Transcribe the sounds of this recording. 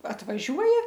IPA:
ɐtʋɐˈʒʲuɔjɛ

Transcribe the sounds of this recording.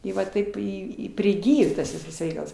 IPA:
ˈɪ ʋɐ ˈtɐɪp ɪ ɪ pʲrʲɪˈɡʲɪjoː tɐs ˈʋʲɪsɐs ˈrʲɛɪkɐlˠs

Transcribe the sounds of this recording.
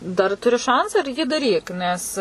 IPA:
ˈdɐr tʊˈrʲɪ ˈʃɐnt͡sɑː ɪr jiː dɐˈrʲiːk ˈnʲɛs

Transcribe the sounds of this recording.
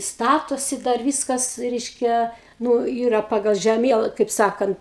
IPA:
ˈstɑːtoːsʲɪ dɐr ˈʋʲiːskɐs ˈrʲɛɪʃʲkʲɛ ˈnʊ ˈiːrɐ ˈpɑːɡɐlˠ ʒʲɛˈmʲiɛlˠɐ kɐɪp ˈsɑːkɐnt

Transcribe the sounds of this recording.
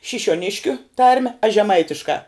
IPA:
ʃʲɪʃʲuɔˈnʲɪʃʲkʲʊ ˈtɐrʲmʲɛ ɐʃ ʒʲɛˈmɐɪtʲɪʃkɑː

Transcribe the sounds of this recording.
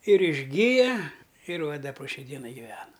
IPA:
ɪr ɪʒʲˈɡʲɪjɛ ɪr ʋɐ ˈdɐ poː ˈʃʲɛɪ ˈdʲiɛnɐɪ ɡʲɪˈʋʲæːnɐ

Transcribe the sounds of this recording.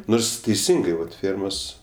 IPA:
ˈnoːrs tʲɛɪˈsʲɪŋɡɐɪ ʋɐt ˈfʲeːrmoːs

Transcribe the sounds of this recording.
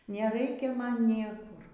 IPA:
nʲɛˈrɐɪkʲɛ ˈmɐn ˈnʲiɛkʊr

